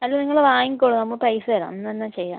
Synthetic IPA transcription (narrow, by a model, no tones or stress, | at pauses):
ɐlːoniŋːɐɭʋaːjiŋkoːɽunɐmːɐpɐjsɨɐla̰ːmnːɐnːat͡ɕejːa̰ː